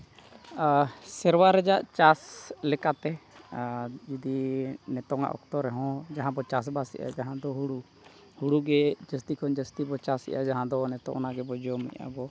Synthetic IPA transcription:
sɛɾwaɾɛd͡ʒaʔt͡ʃaslɛkat̪ɛ | d͡ʒid̪inɛt̪ɔŋa̰ʔɔ̰k̚t̪ɔɾɛɦɔ̃d͡ʒaɦãbɔt͡ʃas̬basɛ̰ʔa̰d͡ʒaɦãd̪ɔɦuɽu | huɽuɡɛd͡ʒəst̪ikʰɔnd͡ʒəst̪ibɔt͡ʃasɛ̰ʔa̰d͡ʒaɦãd̪ɔnɛt̪ɔ̰̃ŋʔɔnaɡɛbɔd͡ʒɔmɛ̰ʔa̰bɔ

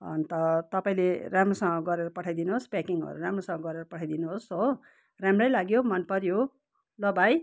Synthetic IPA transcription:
ʌ̰nt̪ʌt̪ʌpaĩleramrosʌŋɡʌɡʌɾeɾʌpʌʈʰajd̪inuɦospakiŋʌ̰ɾuramrosʌ̃ŋɡʌɡʌɾeɾʌpʌʈʰajd̪inuɦoso | ramrʌjlaɡjomʌnpʌɾjo | lʌbaj

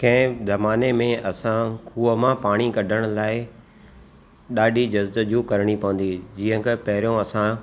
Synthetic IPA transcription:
kɐ̃ɪ̃zɐmaːnemẽʔɐsãkʰuːəmãpaːɽ̃ikɐɖʱəɽ̃laːɪ | ɗaːɖʱid͡ʑɐzd̪d͡ʑukɐɾɽ̃ipɐʋə̃n̆d̪id͡ʑiːə̃kʰepɐɦɪɾijõɐsã

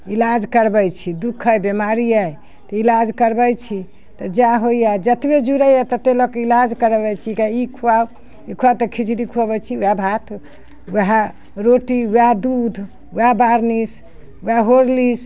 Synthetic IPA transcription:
ilad͡ʒkəɾbəjt͡ʃʰid̪ukʰːəjbemaɾijaj | t̪ɔilad͡ʒkəɾbəjt͡ʃʰi | t̪ɔd͡ʒaɦoijad͡ʒət̪ibed͡ʒuɾəjat̪ət̪elɔkilad͡ʒkəɾbɛjt͡ʃʰikaikʰuaw | ikʰuawt̪əkʰid͡ʒɾikʰuabɛt͡ʃʰiuabʱat̪ʰ | wɦa | ɾoʈiuad̪ud̪ʱ | uabaɾnis | uaɦoɾlis

